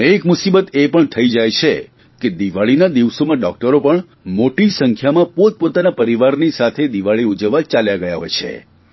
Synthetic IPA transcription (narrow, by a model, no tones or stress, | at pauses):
ekmʊsibət̪epəɳt̪ʰəid͡ʒajt͡ʃʰe | ked̪iʋaɭinad̪iʋsomãɖɔk̚ʈəɾopəɳ | moʈisəŋkʰjamãpot̪̚pot̪anapəɾiʋaɾnisat̪ʰed̪iʋaɭiud͡ʒəʋːat͡ʃaljaɡəjaɦo̰jt͡ʃʰḛ